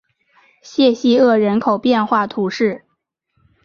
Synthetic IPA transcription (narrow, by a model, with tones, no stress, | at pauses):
ɕjɛ˥˧ɕi˥˧ɤ˥˩ɻə˧˥nkʰo˨˩ʊpjɛ˥˧nxwa˥˩t̪ʰu˧˥ʂɻ̩˥˩